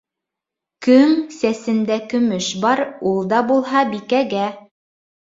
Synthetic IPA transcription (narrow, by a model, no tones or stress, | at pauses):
kɵŋsæsɘ̆nd̪ækɵ̆mɵʃbɑɾulˠd̪ɑbulˠɦɑbikæɡæ